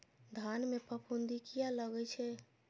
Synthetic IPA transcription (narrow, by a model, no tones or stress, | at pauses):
d̪ʱanmepəpʰund̪ikijaləɡɛt͡ʃʰɛ